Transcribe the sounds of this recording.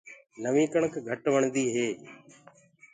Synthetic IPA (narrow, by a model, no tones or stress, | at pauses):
nəʋĩːkəɳkɡʱəʈʋəɳd̪iːɦeː